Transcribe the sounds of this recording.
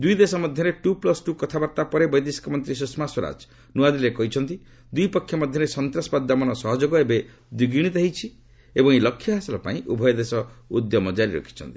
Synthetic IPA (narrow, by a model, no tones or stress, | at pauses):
d̪ujd̪esɔmɔd̪ʱjɔɾeʈuplɔsʈukɔt̪ʰabaɾt̪apɔɾebɔjd̪isi̥kɔmɔnt̪ɾisusmaswɔɾa̰d͡ʒ | nuad̪ilekɔɦit͡ʃʰɔnt̪i | d̪ujpɔkʰːjɔmɔd̪ʱjɔɾesɔnt̪ɾɔsbad̪ːamɔnɔsɔɦɔd͡ʒoɡɔebe | d̪wiɡiɽ̃it̪eɦit͡ʃʰi | ebɔŋelɔkʰːjɔɦasɔlɔpaĩʔubʱɔjɔd̪esɔud̪jɔmɔd͡ʒaɾiɾɔ̰kʰi̥t͡ʃʰɔ̰nt̪i̥